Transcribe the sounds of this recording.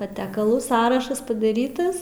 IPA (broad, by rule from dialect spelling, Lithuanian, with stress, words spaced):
pɐˈtʲæːkɐlˠuː ˈsɑːrɐʃɐs pɐdɐˈrʲiːtɐs